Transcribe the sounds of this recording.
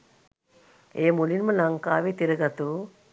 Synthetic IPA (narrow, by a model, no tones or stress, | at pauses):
eːmulinməlaŋkaːʋeːt̪iɾəɡat̪uː